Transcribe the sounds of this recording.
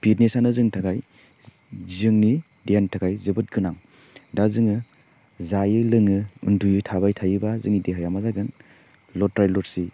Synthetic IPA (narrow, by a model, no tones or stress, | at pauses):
bitnesanazɯŋtʰaɡaj | zɯŋni | dantʰakʰajzɯbɯt̚ɡɯnaŋ | dazɯŋɯ | zajɯlɯŋɯṵndujɯtʰabajtʰajɯbazɯŋnideɦajamazaɡɯn | lɔtɾajlɔtsi